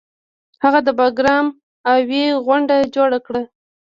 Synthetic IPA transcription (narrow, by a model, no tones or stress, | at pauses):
haɣad̪əbɑɡɾɑm | aweɣwaɳɖad͡ʒoɽakɽa